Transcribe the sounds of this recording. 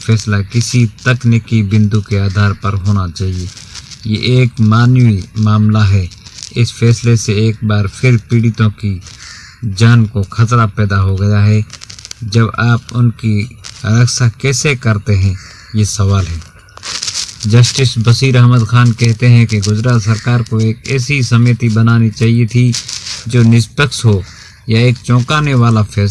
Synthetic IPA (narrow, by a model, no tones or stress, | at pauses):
fʰɛːslakɪsit̪ɐknɪkibɪ̃nd̪ukeaːd̪ʱaːɾpɐɾɦoːnat͡ʃaːɦiejeʔeːkmaːnwimaːmlaɦɛɪsfɛːsleseeːk̚baːɾpʰɪɾpiːɽɪt̪õki | d͡ʒaːnkoxɐt̪ɾapɛːd̪aɦoɡɐjaɦɛd͡ʒɐbaːpʊnkiɾəksakɛːsekɐɾt̪eɦɛ̃ | jesɐʋaːlɦɛː | d͡ʒɐsʈɪsbɐsiːɾɐɦməd̪xaːnkɛɦt̪eɦɛ̃keɡʊzɾaːt̪sɐɾkaːɾkoeːkɛːsisɐmeːt̪ibɐnaːnit͡ʃaːɦiet̪ʰid͡ʒoːnɪspəksɦo | jaeːkt͡ʃɔ̃ːkaːneʋaːlafʰɛː